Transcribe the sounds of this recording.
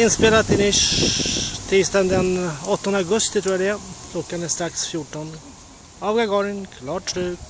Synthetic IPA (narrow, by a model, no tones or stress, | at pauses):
ɪnspeːlat̪ɪnɪʂ | t̪ʰiːst̪and̪ɛnɔt̪ːɔnd̪əaɡɵst̪ɪt̪ɾuːaɖɛakʰlɔkːanɛst̪ɾaksfjuʈːɔn | ɑvɡaɡɔɾənkʰlɑːʈɾʉː